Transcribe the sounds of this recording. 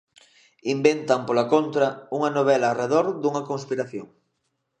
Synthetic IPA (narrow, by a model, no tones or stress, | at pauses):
imbent̪ɐmpolakont̪ɾɐuŋɐnoβ̞ɛlaːreðoɾðuŋɐkoŋspiɾaθjo̰ŋ